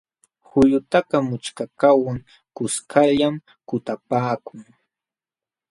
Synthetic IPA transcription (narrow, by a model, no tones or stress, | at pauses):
hʊjʊt̪aqɑmʊt͡ʃkakawaŋ | kʊskʰaʎam | kʊt̪apaːkʊŋ